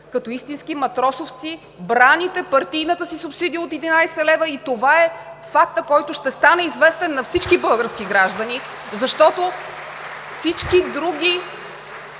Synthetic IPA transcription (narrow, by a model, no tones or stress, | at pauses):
kɐt̪ɔist̪inskimɐt̪ɾɔsoft̪si | bɾanit̪ɛpɐɾt̪ijnət̪əsisʊpsid̪iot̪ɛd̪inajsɛlɛvəit̪ovaɛfakt̪əkɔjt̪ʊʃt̪ɛst̪anɛizvɛst̪ɛnːɐfsit͡ʃkibɤlˠɡəɾskiɡɾaʒd̪əni | zɐʃt̪ɔt̪o | fsit͡ʃkid̪ɾuɡ̟ʲi